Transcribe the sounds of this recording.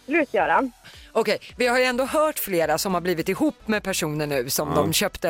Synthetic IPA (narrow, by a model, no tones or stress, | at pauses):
lʉːt̪jœːɾanɔkʰɛjvɪhaɾjɵɛnd̪oːɦœːʈfleːɾasɔmhaɾbliːvɪt̪ɪhuːpːmɛpʰæʂuːnəɳʉ̟ːsɔmd̪ɔmɕœːpt̪ə